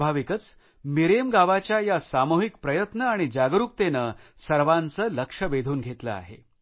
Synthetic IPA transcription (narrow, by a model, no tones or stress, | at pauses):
bʱaʋikət͡s | miɾemɡaʋat͡ɕjajasamuɦikpɾəjət̪nəaɽ̃id͡ʑaɡɾuk̚t̪enə | səɾʋant͡səːləkʂəʋed̪ʱuːnɡʱet̪lə̰a̰ɦḛ